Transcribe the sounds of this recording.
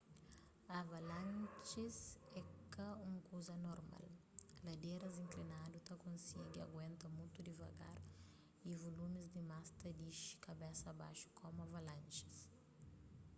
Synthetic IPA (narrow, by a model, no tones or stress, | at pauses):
avalãnt͡ʃezɛkɐũŋkuzɐnoɾma̰l | lɐd̪eɾɐzĩŋklinadut̪ɐkõnsiɡiɐ̰ɡwẽnt̪ɐmũt̪ud̪ivɐ̰ɡa̰ɾ | ivolumizd̪imast̪ɐd̪iʃi̥kɐbɛsɐba̰ʃu̥kʰɔmɐvalãnt͡ʃi̥s